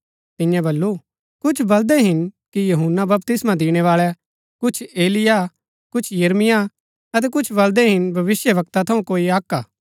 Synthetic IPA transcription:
t̪ɪ̃jãbɐlːu | kʊt͡ʃʰbɐld̪ɛɦɪnkijɐɦunːabɐp̚t̪ɪsmãd̪iːɽ̃ɛʋaːɭɛ | kʊt͡ʃʰeːlɪja | kʊt͡ʃʰjɐɾmɪja | ɐt̪̬ɛkʊt͡ʃʰbɐld̪ɛɦɪnbʱɐʋɪsjəbɐk̚t̪at̪ʰɐũkoːiaːkːaː

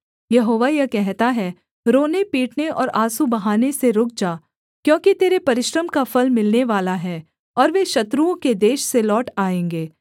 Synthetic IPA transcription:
jɐɦoːʋajɐkɛɦt̪aɦɛ | ɾoːnepiːʈneɔ̰ːɾaːsubɐɦaːneseɾʊk̚d͡ʒaː | kjõːkit̪eːɾepɐɾɪʃɾəmkafɐlmɪlneʋaːlaɦɛː | ɔːɾʋeʃɐt̪ɾuõked̪eːʃselɔːʈaːẽːŋɡeː

